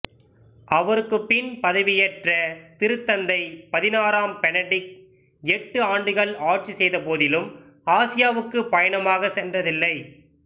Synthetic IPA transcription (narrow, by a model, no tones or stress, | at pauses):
ʔɐʋɐɾɯkːɯpːɪnpɐðɐʋɪjɛʈrɐt̪ɪɾɯt̪ːɐnd̪ɐɪpɐðɪnaːɾaːmpɛnɐɖɪk̚ | ɛʈːɯaːɳɖɯɣɐɭaːʈ̚t͡ʃisɛjðɐpoːðɪlɯm | aːsɪjaːʋɯkːɯpɐjɐnɐmaːɣɐsɛndrɐðɪlːɐɪ